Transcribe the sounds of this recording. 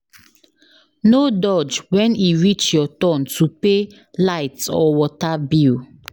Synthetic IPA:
nodɔd͡ʒwɛ̃niɹit͡ʃjɔtɔ̃ntʰupe | laɪtɔwɔtabil

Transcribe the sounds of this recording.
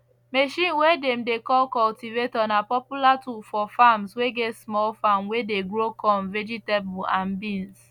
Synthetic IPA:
meʃĩnwedɛ̃mdekɔlkɔltivetɔnapɔpjulatufɔfamsweɡɛtsmɔlfamwedeɡɹokʰɔ̃nvɛd͡ʒitebuãnbĩns

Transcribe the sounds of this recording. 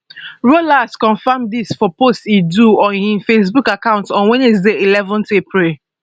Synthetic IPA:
ɹolaskɔ̃nfãmdisfɔpostiduɔ̃nĩnfesbukakãʊ̃ntɔ̃nwɛ̃nezeilɛvɔ̃ntepɹi

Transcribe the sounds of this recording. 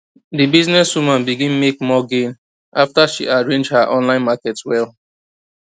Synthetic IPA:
dibiznɛswumãnbiɡĩnmekmɔɡẽn | aftaʃḭʔaɹẽnd͡ʒhaʔɔ̃nlãɪ̃nmakɛtwɛlˠ

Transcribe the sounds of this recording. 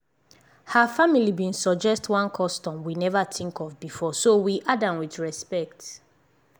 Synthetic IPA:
hafamilibĩnsɔd͡ʒɛstwãnkʰɔstɔ̃mwinɛvatʰĩŋkɔvbifɔsowiʔadãmwiθɹɛspɛk̚t

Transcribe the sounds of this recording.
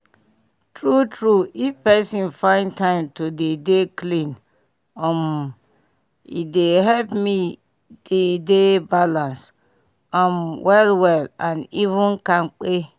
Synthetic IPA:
tʰɹutʰɹuifpɛsĩnfãɪ̃ntʰãɪ̃mtʰudedeklĩn | ɔ̃m | ḭdeɦɛlpmi | d̥edebalãns | ɔ̃mwʔɛlwɛlãnivũnkãŋk͡pe

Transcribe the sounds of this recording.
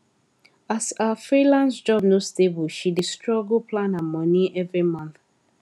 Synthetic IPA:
asafɹilãnsd͡ʒɔb̚nostebulʃidistɹɔɡlpʰlãnhamɔ̃nĩʔɛvɹimɔ̃nθ

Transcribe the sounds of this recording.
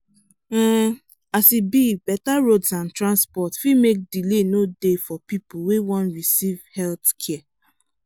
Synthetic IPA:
asibibɛtaɹodsãntɹãnspɔtfimek̚dilenodefɔpipuwewɔ̃nɹisivhɛltkʰɛ

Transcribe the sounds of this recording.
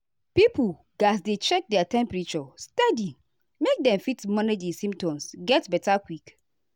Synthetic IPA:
pipu | ɡas̬det͡ʃɛk̚dɛatɛ̃mpɹit͡ʃɔstadi | mek̚dɛ̃mfitmɔned͡ʒĩsĩmptɔ̃msɡɛtbɛtakwik

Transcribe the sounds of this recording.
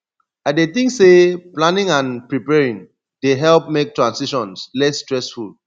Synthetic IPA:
adet̪ĩŋkseplãnĩŋãnpɹipɛɹĩŋ | d̥eɦɛlp̚mek̚tɹãnsiʃɔ̃nslɛsːtɹɛsful

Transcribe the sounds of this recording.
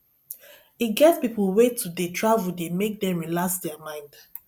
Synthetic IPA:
iɡɛtpiplwetʰudetʰɹavəl̩demek̚dɛ̃mɹilaksdɛamãɪ̃nd̥

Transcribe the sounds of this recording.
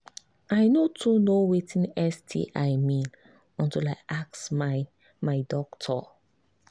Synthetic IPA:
aɪnotʰunowetĩnɛstʰḭʔaɪmin | ɔ̃ntilaɪʔak̚sma | maɪdɔktʰɔ

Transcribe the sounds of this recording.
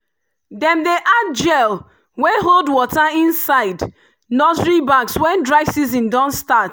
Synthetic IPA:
dɛ̃mdeʔadd͡ʒɛl | weɦoldwɔtaĩnsaɪd | nɔzɹibakswɛ̃ndɹaɪsizĩndɔ̃nstat

